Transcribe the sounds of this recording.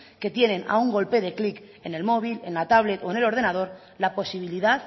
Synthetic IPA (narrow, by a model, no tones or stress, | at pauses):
ke̞t̪je̞ne̞na̰uŋɡo̞lpe̞ðe̞klik | e̞ne̞lmo̞β̞ile̞nlat̪aβle̞t̪o̞ene̞lo̞ɾð̞e̞nað̞o̞ɾ | lapo̞siβ̞iliðað